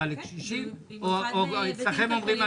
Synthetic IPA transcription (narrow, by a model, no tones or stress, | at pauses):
alekʃiʃim | ooit͡slaχemomʁima